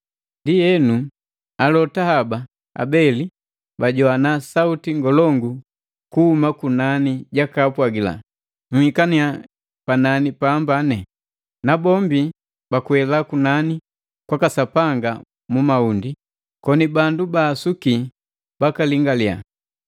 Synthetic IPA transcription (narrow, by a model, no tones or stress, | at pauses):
ndijɛnu | alɔtahaba | a̰bɛli | baɟɔanasautiŋɡɔlɔŋɡu | kuhumakunaniɟakapwaɡila̰ | nuhikania | pananipambanɛ | nabɔmbi | bakuwɛlakunani | kwakasapaŋɡa | mumaundi | kɔnibandubaːsuki | b̥akaliŋɡalia̰